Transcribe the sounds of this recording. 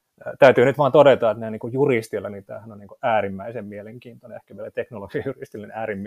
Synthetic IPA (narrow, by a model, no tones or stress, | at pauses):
t̪æyt̪yːnyt̪ʋɑːnt̪odet̪ɑet̪neniːŋkujjurist̪ilːænit̪æ̰ːhænonniːŋkuʔæːrimːæisemmieleŋkiːnt̪oneehkæʋielæt̪eknoloɡ̥ɑjurist̪ilːenæːrimː